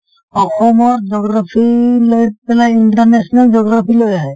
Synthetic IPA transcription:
ɔxɔmɔɾd͡ʒɔɡɾapʰilojpɛlaiɳʈɔɾnesnald͡ʒɔɡɾapʰilojaɦɛ

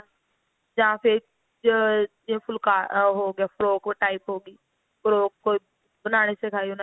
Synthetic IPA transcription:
d͡ʒɐɦãpʰɪɾ | d͡ʒẽpʰʊlkaːɦoːɡɪjaːfɾoːkʈaːɪpɦoːɡiː | fɾoːkko | bənaːñesekʰaːiʊn

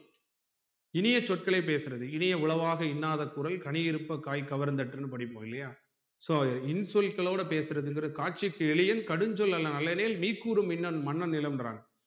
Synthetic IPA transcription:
ɪnɪjɐt͡ʃːɔʈ̚kɐɭɐɪp̬ːeːsɯɾɐðɯɪnɪjɐʊɭɐʋaːɣɐɪnːaːðɐkːʊɾɐlkɐɳɪjɪɾɯpːɐkaːjkɐʋɐɾɯnd̪ɐʈːɯnːɯpɐɽɪpːoːɪlːɐjaː | soːɪnsɔlkɐɭoːɽɐpeːsɯɾɐðɯɪnɡɪɾɐðɯkaːʈ̚t͡ʃːɪkːɯɛɭɪjɐnkɐɽɯɲd͡ʒɔlɐlːɐnɐlːɐneːlmiːkːuːɾɯmɪnːɐnmɐɳːɐnɪlɐmra̰ːn

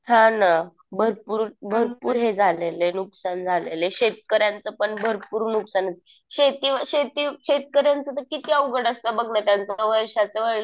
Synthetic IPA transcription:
hãna | bʱəɾpuːɾbʱəɾpuːɾɦed͡zʱalelenuksand͡zʱalḛleɕet̪̚kəɾjant͡səpəɳbʱəɾpuːɾnuksanət̪i | ɕet̪iːʋəɕet̪iɕet̪̚kəɾjant͡sət̪̬əɾkit̪iːəwɡəɽəst̪əbəɡnat̪jant͡saʋəɾʂat͡səʋəɭlə

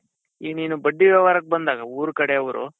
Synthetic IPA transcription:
iːniːnubɐɖːiʋɐʋaːɾɐk̚bɐnd̪aːɡɐuːɾukɐɽeɐʋɐɾṵ

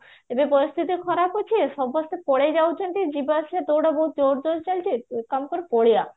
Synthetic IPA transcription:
ebepoɾist̪ʰit̪ikʰɔɾapot͡ɕʰiʃɔbɔst̪epoɽed͡ʑawd͡ʑʰonʈ̪id͡ʑibaʃiat̪owɖaboɦut̪̚d͡ʑoɾd͡ʑoɾt͡ɕalt͡ɕʰikamkoɾepoɽija

